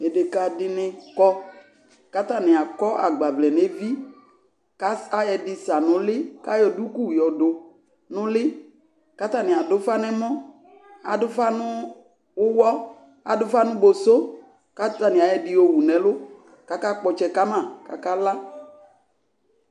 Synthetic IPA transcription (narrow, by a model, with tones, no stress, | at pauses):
ɛ˨de˨ka˨dɪ˦nɪ̃˨kɔ˦ | ka˦ta˦˨nɪ̃˨a˨kɔ˦ʔa˨ɡ͡ba˨vlɛ˨ne˨˦vi˦ | ka˦sa˦jɛ˨dɪ˨sa˨nʊ̃˨lɪ˦ka˦jɔ˨du˦ku˦˨jɔ˨dʊ˨ | nʊ̃˦lɪ˦ | ka˦t̪a˦˨nɪ̃˨a˨dʊ˦fa˦nɛ˦mɔ̃˦ | a˨dʊ˦fa˦nʊ˦ | ʊ˦wɔ˦ | a˨dʊ˦fa˦nʊ̃˦bo˨so˦ | ka˦ta˨nɪ˨a˨jɛ˨dɪ˨o˨wu˨nɛ̃˨˦lʊ˦ | ka˦ka˦k͡pɔ˨t͡ʃɛ˦ka˦mã˨ka̰˨ka˦la˦